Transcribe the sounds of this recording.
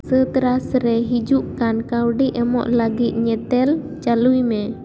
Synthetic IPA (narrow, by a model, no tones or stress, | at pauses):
sət̪əɾasɾɛɦid͡ʒuʔkankawɖiʔɛmɔ̰ʔlaɡiʔɲɛt̪ɛl | t͡ʃalujme